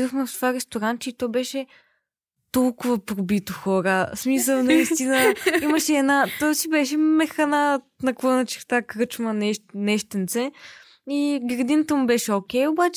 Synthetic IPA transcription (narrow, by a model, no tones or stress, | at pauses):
d̪oxmɛft̪ovaɾɛst̪oɾant̪̚t͡ʃɛit̪ɔjbɛʃɛ | t̪ɔlˠkʊvɐpɾobit̪oxɔɾəsmisəlˠnɐist̪inəiməʃɛːd̪nat̪ɔjsibɛʃɛmɛxɐnanɐklˠɤnət͡ʃɛ̥ɾt̪akɾɤt͡ʃmɐnɛnɛʃt̪ənt̪sɛ | iɡɾɐd̪inət̪əmubɛʃɛokʲɛjobat͡ʃɛ